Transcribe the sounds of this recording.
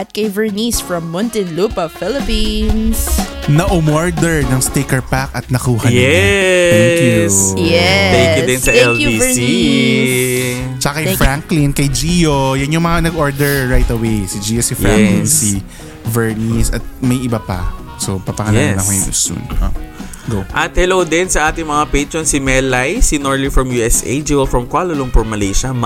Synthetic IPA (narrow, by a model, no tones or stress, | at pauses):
ʔɐt̪̚kɐjvɛɹnisfɹɐmːɔnt̪ɪnlupɐfɪlɪpinsnɐʔʊmoɹd̪ɛɹnɐŋst̪ejkɐɹpakɐt̪̚nɐkuːhɐɲɛɛɛijsjɛɛkɪɛsɐɛli | s | t͡ʃɐkɐkɐjfɹaŋklɪnkɐjd͡ʒiːjojɐnjʊŋmɐŋanɐɡoɹd̪ɛɹɹajt̪ɐwejsid͡ʒiːjosifɹalnsi | vɛɹnisɐt̪̚mɐjʔɪbapɐ̰ | sopapɐŋɐlaɛnɐkojʊŋʊ̰sṵno | ɡoʔɐt̪̚hɛlowd̪ɛnsɐʔaːt̪ɪŋmɐŋapejt̪ɹonsɪmɛlajsinoɹlifɹɐmjuːʔɛsʔḛjd͡ʒivɛlfɹɐmkwaloloŋpɔɹmɐlejʃɐm